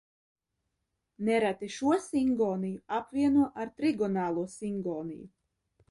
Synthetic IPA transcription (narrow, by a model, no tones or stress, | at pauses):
nɛɾat̪iʃuɔsiŋɡɔːnijuapvʲiɛnuɔʔaɾt̪ɾiɡɔnaːlˠuɔsiŋɡɔːnḭjṵ